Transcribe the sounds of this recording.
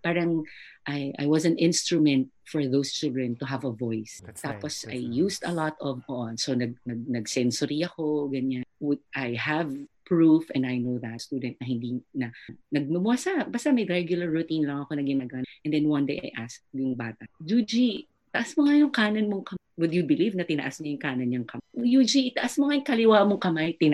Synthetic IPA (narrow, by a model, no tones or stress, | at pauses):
paːɹɐŋʔajʔa̰jwɐsɐ̃nʔɪ̃nst̪ɹʊmɛ̃nt̪̚ | fɔɹðost͡ʃɪld̪ɹɛnt̪ʊɦɐvɐvojst̪aːposa̰jːuːsd̪ɐlɔt̪ɔvoʔonsonɐɡ̚nɐɡ̚nɐɡsɛnsʊɾiɐkoɡɐɲanwʊd̪̚ʔajhavpɹufʔɛ̃najnowðɐt̪st̪ud̪ɛ̃nt̪̚nɐɦɪnd̪inɐnɐɡ̚mɐbʊasabaɐst̪ɐmɐjɾɛɡjʊlɐɹːʊt̪ĩnlɐŋɐkonɐɡɪnaɡɐaʔɛ̃nd̪ɛnwɐ̃nd̪ḛjʔa̰jʔaskjʊŋbaːt̪ɐd͡ʒud͡ʒi | t̪ɐʔasmoŋajʊŋkaːnɐnmoŋkɐ | wʊd̪jʊbɪlivnɐt̪ɪnɐ̰ʔasɲɐjʊŋkaːnɐnɲɐŋkɐjud͡ʒit̪ɐʔɐsmoŋajʊŋkɐlɪwaːmoŋkɐmajt̪ɪn